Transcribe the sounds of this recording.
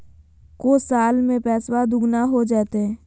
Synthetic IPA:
kosaːlmẽpɛːswad̪ʊɡnaɦod͡ʒaːt̪eɛː

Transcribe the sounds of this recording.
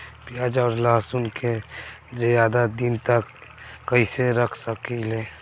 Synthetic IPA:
pɪjaːd͡ʒɔːɾlaːsʊnkʰed͡ʒejaːd̪ad̪ɪnt̪əkːəiseɾəkʰsəkileː

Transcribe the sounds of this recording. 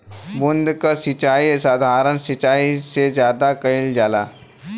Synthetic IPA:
bʊnd̪kasɪt͡ʃaːisaːd̪ʱaːɾənsɪt͡ʃaːisezjaːd̪akɐɪld͡ʒaːlaː

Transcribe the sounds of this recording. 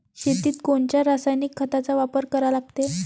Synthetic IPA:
ɕet̪iːt̪koɳt͡ɕjaɾasajnikʰːət̪at͡saʋapəɾkəɾalaɡt̪e

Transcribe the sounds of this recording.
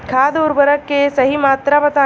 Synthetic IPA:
kʰaːd̪ʊɾbəɾəkːesɐɦimaːt̪ɾabɐt̪aː

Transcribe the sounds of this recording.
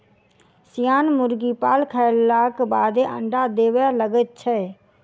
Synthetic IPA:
sijaːnmʊɾɡipaːlkʰəlːaːkbaːd̪eʔə̰̃ɳɖad̪eːwələɡət̪̚t͡ʃʰɛː

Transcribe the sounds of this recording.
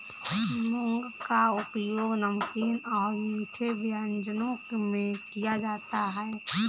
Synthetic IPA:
nõŋɡkaʊpjoːɡnəmkiːnɔːɾmiːʈʰebjaːnd͡ʒənõkmẽkijad͡ʒaːt̪aɦɛː

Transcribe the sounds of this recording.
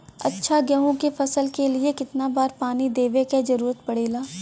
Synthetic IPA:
ɐtːʃʰaɡjɐɦõkefɐsəlkeliekɪt̪nabaːɾpaːnid̪eːʋeked͡ʒɐɾuːɾət̪̚pɐɽeːlaː

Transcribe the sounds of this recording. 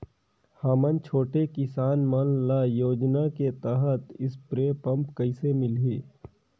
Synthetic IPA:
haːmənt͡ʃʰoːʈekɪsaːnmənlajoːd͡ʒnaket̪əɦət̪ɪspɾeːpɐ̃mpkəɪsemɪlɦiː

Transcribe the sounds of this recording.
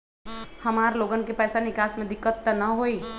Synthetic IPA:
həmaːɾloːɡənkepɛːsanɪkaːsmẽd̪ɪkːət̪ːənəɦoi

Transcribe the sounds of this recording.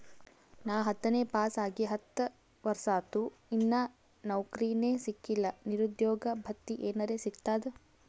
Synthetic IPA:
naːɦɐt̪ːɐneːpaːsaːɡiɦɐt̪ːɐ | ʋɐɾsaːt̪uinːɐ | nɐwkɾiːneːsikːilːɐniɾud̪jɔːɡɐbʱɐkt̪ːiʔeːnɐɾeːsiɡt̪aːd̪e

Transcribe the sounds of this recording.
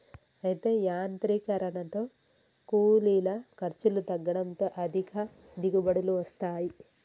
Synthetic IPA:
ɐjit̪e̞ːjaːnt̪ɾikɐɾɐɳɐt̪o̞ː | kuːliːlɐkɐɾt͡ʃilut̪ɐɡːɐɽɐnt̪o̞ːʔɐd̪ʱikʰɐ | d̪iɡubɐɽuluʋɐst̪aːji

